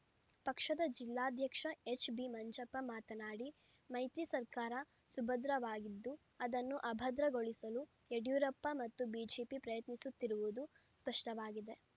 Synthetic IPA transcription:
pɐkʂɐd̪ɐd͡ʒilːaːd̪ʱjɐkʂɐet͡ʃbimɐɲt͡ʃɐpːɐmaːt̪ɐnaːɽi | mɐjt̪isɐɾkaːɾɐ | subʱɐd̪ɾɐʋaːɡid̪ːu | ɐd̪ɐnːuʔɐbʱɐd̪ɾɐɡoɭisɐlu | eɖjuːɾɐpːɐmɐt̪ːubiːd͡ʒeːpipɾɐjɐt̪nisut̪ːiɾuʋud̪u | spɐʂʈɐʋaːɡid̪e̞

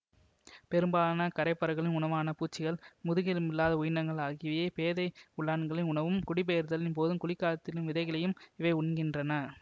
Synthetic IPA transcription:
pɛɾɯmbaːnɐkɐɾɐɪpːɐɾɐɣɐɭɪnʊɳɐʋaːnɐpuːt͡ʃːɪɣɐɭmʊðɯɣɪlɯmɪlːaːðɐʊjɪɳɐŋɡɐɭaːɣɪʋɐjeːpeːðɐɪʊɭːaːɳɡɐɭɪnʊɳɐʋɯmkʊɽɪbeːɐɾðɐlɪnpoːðɯmkʊɭɪkːaːlɐt̪ːɪlɯmʋɪðɐɪɣɐlɐjɯmɪʋeːʊɳɡɪndrɐnɐ

